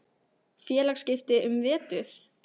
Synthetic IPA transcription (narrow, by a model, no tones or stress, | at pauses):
fjɛːlakscɪft̪ɪʔʏmvɛːt̪ʏθ